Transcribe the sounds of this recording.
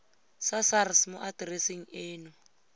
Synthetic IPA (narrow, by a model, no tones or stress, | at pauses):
sasarsmʊʔadrɛsiŋ̩eːnʊ